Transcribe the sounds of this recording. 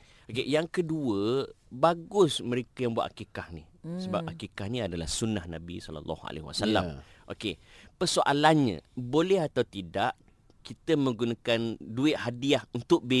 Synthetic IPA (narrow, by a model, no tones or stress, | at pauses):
okejaŋkəduəbaɡʊsmə̃ɾekəjambuaʔ̪̚akikahni | səbap̚akikahnĩadala̰hsunahnãbḭsɔla̰lˤːɔ̰hua̰lʔḛɦwa̰sala̰m | ʔo̰kepərsoʔalanɲã̰bolɛɦat̪awt̪idaʔ | kit̪əmə̃ŋɡunakanduɪt̪̚hadiahunt̪ʊʔ̚be